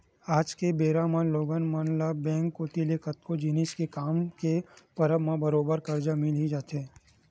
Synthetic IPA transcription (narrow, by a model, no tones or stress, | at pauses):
aːd͡ʒkebeːɾamə̃nloːɡənmanlabɛ̃ːŋkːoːt̪ilekət̪kod͡ʒiːniskekaːmkepɐɾəʋmãbɐɾoːbəɾkɐɾd͡ʒamɪlid͡ʒaːt̪ɦɛ̃ː